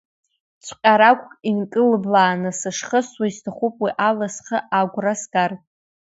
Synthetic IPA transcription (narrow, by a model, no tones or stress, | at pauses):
t͡sʷʰqʲʼaɾakʷʼkʼinkʼɨlɨblaːnɨsɨʂχəswaistʰaχupʼwiʔalasχəʔaɡʷrasɡarʼ